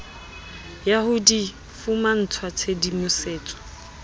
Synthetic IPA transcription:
jahudi | fuman̩t͡sʰwat͡sʰedimʊseːt͡sʼɔ̥

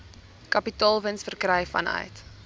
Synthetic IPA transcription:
kɐpitɑːlˠvənsfərkrɛjfɐ̰nœ̰ɥt

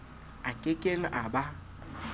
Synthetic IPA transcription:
akʼekʼel̩ʔaba

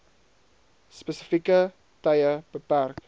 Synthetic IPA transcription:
spəsəfikə | tɐjəb̥əpærk

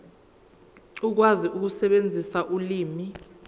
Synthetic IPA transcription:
uk̬waziʔuk̬usɛɓend͡zʱisaʔuliːmi

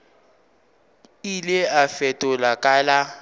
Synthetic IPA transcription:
ilɪafɛtʼʊlakʼala

